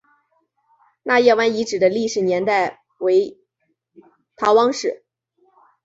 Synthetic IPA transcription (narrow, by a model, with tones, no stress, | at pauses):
na˥˧jɛ˥˧wa˥ni˧˥ʈ͡ʂɻ̩˨˩d̪ə˦li˥˩ʂɻ̩˨˩njɛ˧˥nt̪a˥˩ɪ | we˧˥ɪ | t̪ʰɑ˧˥wɑ˥ŋʂɻ̩˥˩